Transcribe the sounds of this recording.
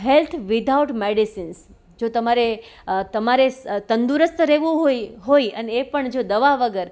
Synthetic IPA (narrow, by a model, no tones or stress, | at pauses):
ɦɛlt̪ʰʋɪd̪ʱauʈmeɽisins | d͡ʒot̪əmaɾet̪əmaɾet̪ənd̪uɾəst̪ɾeʋũɦoɦoiəneːpəɳd͡ʒod̪əʋaʋəɡəɾ